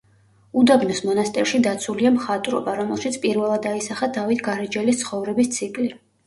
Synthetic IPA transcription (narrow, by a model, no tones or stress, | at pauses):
ud̪aɡnɔsmɔnast̪ʼɛ̰ɾʃid̪at̪sʰuliamχat̪ʼɾɔ̰baɾɔmɛlˠʃit̪sʰpʼiɾvɛlˠad̪aisaχad̪avit̪ʰɡaɾɛd͡ʒɛlist̪sʰχɔvɾɛbist̪sʰikʼli